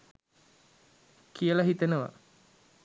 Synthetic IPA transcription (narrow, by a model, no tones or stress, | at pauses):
kijəlaɦit̪enəʋa̰